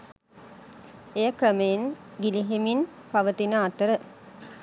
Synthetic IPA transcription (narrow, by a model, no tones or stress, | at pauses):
ejəkrəmejenɡiliɦeminpaʋət̪inəat̪əɾə